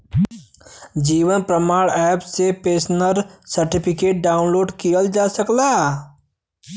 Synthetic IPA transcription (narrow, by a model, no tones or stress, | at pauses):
d͡ʒiːʋənpɾəmaːɭɛːpsepeːsnəɾsɐɾʈɪpʰɪkeːʈ̚ɖaːʊnloːɖkijəld͡ʒaːsəklaː